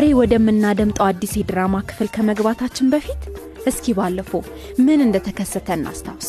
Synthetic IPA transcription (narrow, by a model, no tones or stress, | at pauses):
zaɾewɔd̪əmːɨnːad̪əmt̪ʼəad̪ːised̪ɨɾamakʰɨ̥fɨlkʰəməɡbat̪ʰat͡ʃːɪnbəfit̪ | ʔɨskʰibalːəfo | mɨnɨnd̪ət̪ʰəkʰəsːət̪ʰəɨnːʔa̰st̪ʰaws